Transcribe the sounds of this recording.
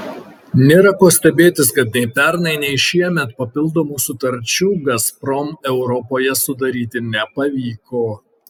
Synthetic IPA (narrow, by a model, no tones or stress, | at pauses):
nʲeːɾɐkoːsʲt̪ʲɛbʲeːt̪ʲɪskɐt̪̚nʲɛɪpʲɛɾnɐɪnʲɛɪʃʲiɛmʲɛt̪pɐpʲɪlˠd̪oːmuːsʊt̪ɐɾʲt͡ʃʲuːɡɐspɾɔmɛʊɾɔpoːjɛsʊd̪ɐɾʲiːt̪ʲɪnʲɛpɐʋʲiːkoː